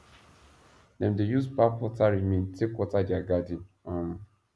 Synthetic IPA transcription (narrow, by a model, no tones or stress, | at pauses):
dɛ̃mdejuspakwɔtaɹimĩntʰekwɔtadɛaɡadĩn | ãm